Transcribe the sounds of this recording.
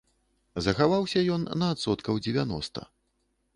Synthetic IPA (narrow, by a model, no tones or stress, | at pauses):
zɐxavawsʲɐjɔnːɐːt̪sɔt̪kɐwd͡zʲɪvʲanɔ̰st̪ɐ̰